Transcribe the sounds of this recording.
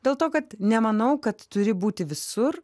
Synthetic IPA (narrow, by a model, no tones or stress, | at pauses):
d̥̪ʲeːlˠt̪oːkɐt̪nʲɛmɐnɐʊkɐt̪ːʊɾʲɪbuːt̪ʲɪʋʲɪsʊr